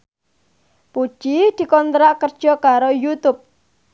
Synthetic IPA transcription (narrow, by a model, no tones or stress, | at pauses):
pu̥ʒ̥id̪̥i̤kɔnt̪ɾaʔkərd̥ʒ̥ɔ̤kaɾojut̪ʊp̚